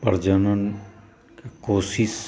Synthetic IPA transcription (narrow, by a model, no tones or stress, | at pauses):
pəɾd͡ʒənən | kekoːsis